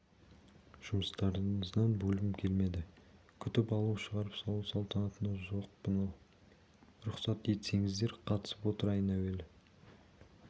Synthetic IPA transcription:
ʒ̥ʊməst̪ɑɾəɴəzd̪ɑnbɵlɪmkʲʰe̞lme̞d̪ɪ | kʲʰʏt̪ɪpɑlˠuʃəʁɑɾəpsɑlˠusɑlˠt̪ɑnɑt̪ənɑʒo̞qbənɑw | ɾʊqsɑt̪je̞t̪se̞ŋɪzd̪e̞ɾqʰɑt̪ə̥sə̥pwo̞t̪əɾɑjənæwe̞lɪ

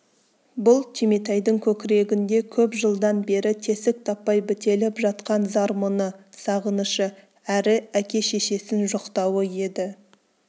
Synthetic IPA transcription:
bʊlˠt̪ʲʰimet̪ɑjd̪əŋkʲʰɵkʲɪɾe̞ɡʲɪnd̪e̞kʲʰɵpʒəlˠd̪ɑnbe̞ɾɪt̪ʰe̞sɪk̚t̪ʰɑpːɑjbɪt̪e̞lɪpʒɑt̪qɑnzɑɾmonəsɑʁənəʃə | æɾɪækʲe̞ʃe̞ʃe̞sɪnʒoqt̪ɑwəje̞d̪ɪ

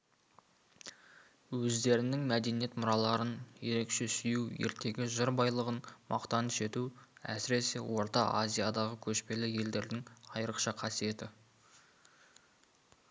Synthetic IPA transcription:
wɵzd̪e̞ɾɪnɪŋmæd̪e̞nije̞t̪mʊɾɑlˠɑɾənje̞ɾe̞kʃe̞sʏjuwje̞ɾt̪e̞ɡʲɪʒɪɾbɑjlˠəʁənmʔɑ̰qt̪ɑnʃe̞t̪uæ̰sɪɾe̞se̞wʔo̞ɾt̪ɑʔa̰zʲijad̪ɑʁəkʲʰɵʃpe̞lɪje̞ld̪e̞ɾd̪ɪŋɑjɾəqʃɑqʰɑsije̞t̪ɪ

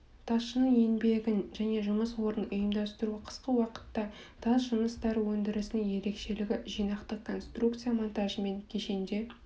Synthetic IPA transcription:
t̪ʰɑsʃənəɴenbe̞ɡʲɪnʒæne̞ʒʊməswo̞ɾənʊjəmd̪ɑst̪əɾuqʰə̥sqəwɑqə̥t̪ːɑ | t̪ʰɑzʒənəst̪ɑɾəwɵnd̪ɪɾɪsɪnɪŋje̞ɾe̞kʃe̞lɪɡʲɪʒijnɑqt̪əqkʰːo̞nst̪rukt̪sɨjamo̞nt̪ɑʒəme̞ŋkʲʰe̞ʃe̞nd̪e̞

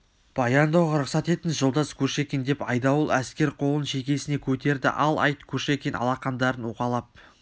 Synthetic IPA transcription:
b̥ɑjɑnd̪ɑwʁɑɾʊqsɑt̪e̞t̪ɪnʒolˠd̪ɑskʲʰɵʃe̞kʲend̪e̞pɑjd̪ɑwəlˠæskʲe̞ɾqʰo̞lˠənʃe̞kʲe̞sɪne̞kʲʰɵt̪e̞ɾd̪ɪ̰ʔɑlˠɑ̰jt̪kʲʰɵʃekʲenɑ̰lˠɑqɑnd̪ɑɾənwoqɑlˠɑp̚

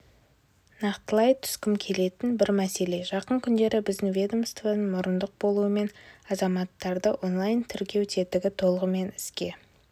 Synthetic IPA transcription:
nɑqt̪əlˠɑjt̪ʰʏ̥skʲɪmkʲʰe̞le̞t̪ɪnbɪɾmæse̞le̞ʒɑqəɴkʲʰʏnd̪e̞ɾɪbɪzd̪ɪŋvʲed̪omst̪veənmʊɾənd̪əq̚bo̞lˠuəme̞nɑzɑmɑt̪ːɑɾd̪əʔo̞nlˠajnt̪ʰʏɾkʲe̞wt̪ʰe̞t̪ɪɡʲɪt̪ʰo̞lˠəʁəme̞nɪskʲe̞

